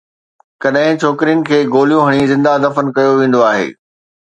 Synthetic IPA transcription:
kɐɗɦɪ̃t͡ɕʰoːkɾijənɪ̆kʰeːɡoːlijũɦɐɽ̃izɪ̃nd̪ad̪ɐfənkɐjoʋẽːn̆d̪oaːɦḛː

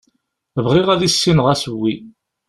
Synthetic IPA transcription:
vʁiʁæðisːinʁæsəwːi

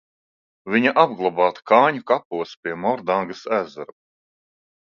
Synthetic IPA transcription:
viɲaʔabɡlˠabaːt̪kɑːɲukapuɔspʲiɛmɔɾd̪aŋɡasæːzaɾ

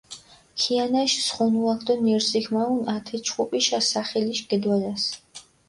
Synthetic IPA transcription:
kʰianaʃsχɔnuakʰd̪ɔniɾzikʰmaunat̪ʰɛt͡ʃʰχupʼiʃasaχɛliʃɡ̥ɛd̪walas

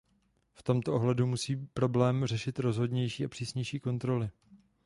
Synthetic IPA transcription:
ft̪o̞mt̪oʔoɦlɛdumusiːpɾo̞blɛːmrɛʃɪt̪ɾo̞zɦo̞dɲɛjʃiːapr̥iːsɲɛjʃiːko̞nt̪ɾo̞lɪ

